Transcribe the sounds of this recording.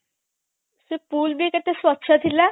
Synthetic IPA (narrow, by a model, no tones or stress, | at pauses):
sepuːlbʱiket̪eswət̪ːʃʰət̪ʰila